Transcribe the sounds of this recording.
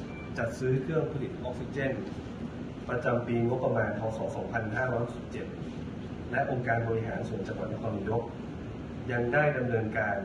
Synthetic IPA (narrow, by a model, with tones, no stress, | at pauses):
t͡ɕa˨˩t̪̚sɯː˦˥kʰɯ˥˩əŋpʰa˧li˨˩t̪̚ʔɔ˦˥k̚fi˧˥t͡ɕe˥˩n | pɾa˧t͡ɕa˧mpiː˧ŋo˦˥pːɾa˧maː˧npʰɔː˧sɔː˩˦ŋsɔː˩˦ŋpʰa˧nɦaː˥˩ɾɔ˦˥jho˥si˨˩p̚t͡ɕe˨˩t̪̚ | lɛ˦˥ʔo˧ŋkaː˧nbɔː˧ɾi˦˥ɦaː˩˦nsu˨˩˦ənt͡ɕa˧ŋwa˨˩t̪̚na˦˥kʰːniː˨˦do˦˥k̚ | ja˧ŋdaː˥˩jda˧mnɤː˧nkaː˧n